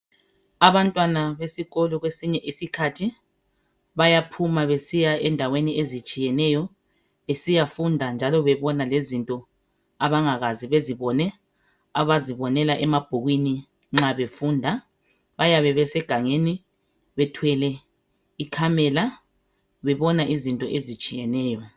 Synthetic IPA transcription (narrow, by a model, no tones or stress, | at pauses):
aβantʼwanaβesiɣɔlɔɣwesiɲɛʔisikʰatʰi | βajapʰumaβesijaɛndʱaweniezit͡ʃʼijɛnɛjɔ | esijafundʱand͡ʒʱalɔβɛβɔnalezintʼɔ | aβaŋaɣaziβeziβɔnɛ | aβaziβɔnɛlaʔɛmab̥ʱuɣwini | ŋ͡ǁaβefuːndʱa | βajaβɛβɛsɛɡ̥ʱaŋeni | βɛtʰwɛlɛ | ikʰamɛla | βɛβɔnaʔizintʼɔʔezit͡ʃʼijɛnɛːjɔ